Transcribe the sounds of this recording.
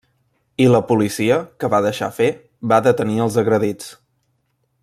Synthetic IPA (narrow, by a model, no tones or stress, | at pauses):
iləpulisiəkəβaðəʃa̰fe | βaðət̪əniəlˠzəɣɾəðit͡s